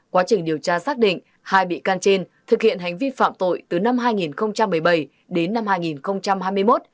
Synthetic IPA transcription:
kwaː˨˦t͡ɕï˨˩ŋ̟ɗi˨˩əwt͡ɕaː˧saː˦˥k̚ɗḭ̈˧˨ŋ̟ | haː˧jɓḭ˧˨kaː˧nt͡ɕe˧nt̪ʰɨ˨˩k̚hḭ˧˨ənɦa˨˩jŋ̟vi˧fa̰ː˧˨mt̪o̰˧˨jt̪ɨ˨˩na˧mɦaː˧jŋi˨˩nxə˧wŋ͡mt͡ɕa˧mːɨ˨˩əjɓə˨˩j | ɗe˨˦nːa˧mhaː˧jŋi˨˩nxə˧wŋ͡mt͡ɕa˧mhaː˧jmɨ˧jmo˦˥t̚

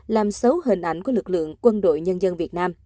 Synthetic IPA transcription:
laː˨˩msə˨˦wɦï˨˩ŋ̟ʔa˧˩jŋku˧˩əlɨ˨˩k̚lɨ̰˧˨əŋkwə˧nɗo̰˧˨jɲə˧nzə˧nvi˨˩ət̚naː˧m

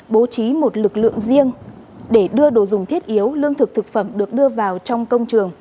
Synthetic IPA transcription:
ɓo˨˦t͡ɕi˨˦mo˨˩t̚lɨ˨˩k̚lɨ̰˧˨əŋzi˧əŋ | ɗe˧˩ɗɨ˧əɗo˧˩zʊ˨˩ŋ͡mt̪ʰi˦˥t̚ʔi˨˦əwlɨ˧əŋt̪ʰɨ˨˩k̚t̪ʰɨ˨˩k̚fə˧˩mɗɨ˨˩ək̚ɗɨ˧əvaː˨˩wt͡ɕɔ˧wŋ͡mkə˧wŋ͡mt͡ɕɨ˨˩əŋ

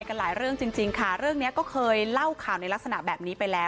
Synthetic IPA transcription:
jka˧nlaː˩˦jɾɯ˥˩əŋt͡ɕi˧ŋt͡ɕi˧ŋkʰa˥˩ɾɯ˥˩əŋni˦˥ɐkɔː˥˩kʰɤː˧jla˥˩wkʰaː˨˩wna˧jla˦˥k̚sa˧na̰˨˩bɛː˨˩p̚niː˦˥pa˧jlɛː˦˥w

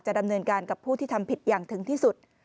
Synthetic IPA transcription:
t͡ɕa˨˩da˧mnɤː˧nkaː˧nka˨˩pʰːuː˥˩t̪ʰiː˥˩t̪ʰa˧mpʰi˨˩t̪̚jaː˨˩ŋt̪ʰɯ˩˦ŋt̪ʰiː˥˩su˨˩t̪̚

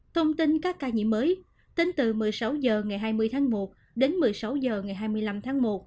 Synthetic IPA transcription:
t̪ʰə˧wŋ͡mt̪i˧nkaː˦˥kːaː˧˩ɲḭ˧˨mːəː˨˦j | t̪e˧nt̪ɨ˨˩mɨ˨˩əjsa˨˦wzəː˨˩ŋa˨˩jɦaː˧jmɨ˧əjt̪ʰaː˨˦ŋmo˨˩t̚ | ɗe˨˦nmɨ˨˩əjsa˨˦wzəː˨˩ŋa˨˩jɦaː˧jmɨ˧əjla˧mt̪ʰaː˨˦ŋmo˨˩t̚

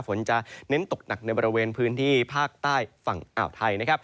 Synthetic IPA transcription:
pʰo˩˦nt͡ɕa˨˩ne˧˦˥nt̪o˨˩k̚na˨˩k̚na˧jbɔː˧ɾi˧weː˧npʰɯː˦˥nt̪ʰiː˥˩pʰaː˥˩k̚t̪aː˥˩jfa˨˩ŋʔa̰ː˨˩wt̪ʰa˧jna˥kʰa˦˥p̚

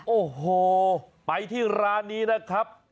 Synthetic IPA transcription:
ʔoː˨˩hoː˨˩pa˧jt̪ʰiː˥˩ɾaː˧niː˦˥na˦˥kʰɾa˦˥p̚

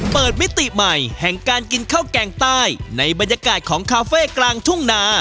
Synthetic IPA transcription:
pɤː˨˩t̪̚mi˦˥t̪ːi˨˩ma˨˩jhɛ˨˩ŋkaː˧nki˧nkʰaː˥˩wkɛː˧ŋt̪aː˥˩jna˧jba˧njaː˧kaː˨˩t̪̚kʰɔː˩˦ŋkʰaː˧feː˥˩klaː˧ŋt̪ʰu˥˩ŋnaː˧

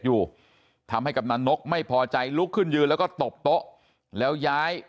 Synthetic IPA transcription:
t̪̚juː˨˩ | t̪ʰa˧mha˥˩jka˨˩p̚naː˧no˦˥k̚ma˥˩jpʰɔː˧t͡ɕa˧jlu˦˥kʰːɯ˥˩njɯː˧lɛː˦˥wkɔː˥˩t̪o˨˩p̚t̪o˦˥ʔ | lɛː˦˥wjaː˦˥j

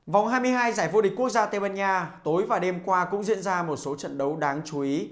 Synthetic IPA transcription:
va˨˩wŋ͡mɦaː˧jmɨ˧əjɦaː˧jzaː˧˩jvṵ˧ɗi˨˩k̟ku˥ək̚zaː˧t̪e˧ɓaː˧ɲaː˧t̪o˨˦jvaː˨˩ɗe˧mkwaː˧kʊ̰˧˥ŋ͡mzḭ˧ənzaː˧mo˨˩t̚so˨˦t͡ɕə̰˧˨nɗə˨˦wɗaː˨˦ŋt͡ɕu˨˦ʔi˨˦

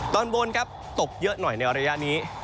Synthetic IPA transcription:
t̪ɔː˧nbo˧nkʰa˦˥p̚t̪o˨˩k̚jɤ˦˥ʔnɔ˨˩jna˧jɾa˧ja˦˥ʔniː˦˥

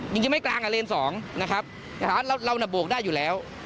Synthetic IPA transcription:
t͡ɕɯ˧ŋt͡ɕi˧ma˥˩jklaː˧ŋʔaː˧leː˧nsɔː˩˦ŋna˦˥kʰa˦˥p̚ː | a˨˦˥a˧wɾa˧wna˨˩bu˨˩ək̚daː˥˩jːuː˨˩lɛː˦˥w

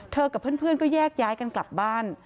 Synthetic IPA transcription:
t̪ʰɤː˧ka˨˩pʰːɯ˥˩˨npʰɯ˥˩ənkɔː˥˩jɛː˥˩k̚jaː˦˥jka˧nkla˨˩p̚baː˥˩n

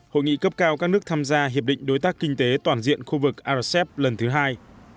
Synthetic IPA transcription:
ho̰˧˨jŋḭ˧˨kə˦˥p̚kaː˧wkaː˦˥k̚nɨ˦˥t̪ʰaː˧mzaː˧ɦi˨˩əp̚ɗḭ̈˧˨ŋ̟ɗo˨˦jt̪aː˦˥kːï˧ŋ̟t̪e˨˦t̪waː˨˩nzḭ˧˨ənxu˧vɨ˨˩k̚ʔaː˧sɛ˦˥p̚lə˨˩nt̪ʰɨ˨˦ɦaː˧j

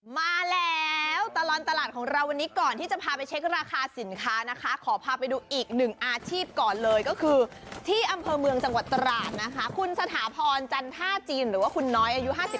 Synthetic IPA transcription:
maː˧lɛː˦˥wt̪a˧lɔː˧nt̪a˧laː˨˩t̪̚kʰɔː˩˦ŋɾa˧wa˧nːiː˦˥kɔː˨˩nt̪ʰiː˥˩t͡ɕa˨˩pʰaː˧pa˧jt͡ɕʰe˦˥k̚ɾaː˧kʰaː˧si˨˩˦nkʰaː˦˥na˦˥kʰa˦˥kʰɔː˩˦pʰaː˧pa˧jduː˧ʔiː˨˩k̚nɯ˨˩ŋʔaː˧t͡ɕʰiː˥˩p̚kɔː˨˩nlɤː˧jkɔː˥˩kʰɯː˧t̪ʰiː˥˩ʔa˧mpʰɤː˧mɯ˧əŋt͡ɕa˧ŋwa˨˩t̪ːɾaː˨˩t̪̚na˦˥kʰa˦˥kʰu˧nsa˧t̪ʰaː˩˦pʰɔː˧nt͡ɕa˧nt̪ʰaː˥˩t͡ɕiː˧nɾɯː˩˦waː˥˩kʰu˧nːɔː˦˥jʔa˧ju˦˥ɦaː˥˩si˨˩

